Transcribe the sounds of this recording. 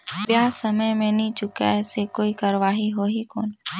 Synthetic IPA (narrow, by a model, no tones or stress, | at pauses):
ʋjaːsəməjmẽnĩt͡ʃʊka̰ɛːsekoːikəɾəʋaːɦiɦoːɦiko̰ːn